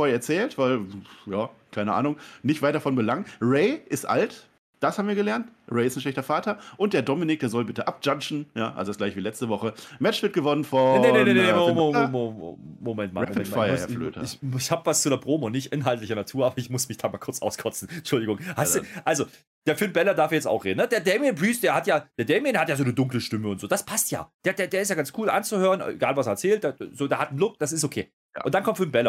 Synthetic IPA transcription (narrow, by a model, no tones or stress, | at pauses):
foɐɛɐt͡sɛːltv̥aɪljaːkʰaɪnəʔa̰ːnʊŋnɪçtvaɪt̚d̥afɔnbəlaŋnʁeɪʔɪstʔa̰lt | d̥ashaːbm̩viːɐɡəlɛɐntʁeɪɪstanʃlɛçtɐfaːtɐʔʊnt̚d̥eːɐdɔmɪnɪkd̥eːɐzɔlbɪtəʔap̚d͡ʒ̥ant͡ʃn̩ja̰ːʔalzoɪsɡ̥laɪçv̥iːlɛt͡stəvɔχəmɛt͡ʃv̥ɪɐt̚ɡəvɔnənfɔnenee | momɛntma̰ʁɛpfaɪɐhɛɐflø̰ːtə̰ɪçhaːbvast͡sudeɐbʁoːmoʊnɪçtʔɪnɦaltlɪçənatʰuːɐaːbɐɪçmʊsmɪçd̥aːmaːlkʊɐt͡sʔa̰ʊskʰɔt͡sn̩t͡ʃʊldɪɡʊŋhaɪsuʔalzo | d̥eːɐfyɪɐnbɛlɐdaɐfijɛt͡sta̰ʊxʁḛːdnəd̥eːɐdɛɪmjbʁiːsd̥eːɐhatjaːd̥eːɐdɛɪmjɪndehatjaːzoːnədʊŋkləʃtɪməʊntz̥oːd̥aspʰastja̰ːd̥eːɐdeːɐdeːɐɪstjaːɡant͡skʰuːlʔa̰nt͡suhøːʁənʔḛɡaːlvaseɐɛɐt͡sɛːlt̚d̥azoːdeːɐhatn̩lʊk̚d̥asɪstokʰḛː | a̰ʊntd̥ankʰɔmtfɪb̥ɛlɐ